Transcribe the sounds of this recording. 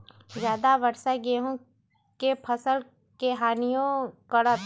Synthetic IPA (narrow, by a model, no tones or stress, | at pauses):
zjaːd̪aʋəɾʃaɡeɦũ | kepʰəsəl | keɦaːnijõkəɽa